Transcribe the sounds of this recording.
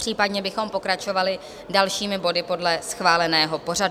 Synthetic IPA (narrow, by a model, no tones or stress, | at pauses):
r̝̥iːpadɲɛbɪxo̞mpo̞kɾat͡ʃo̞valɪ | dalʃiːmɪbo̞dɪpo̞dlɛsxvaːlɛnɛːɦo̞po̞ɾad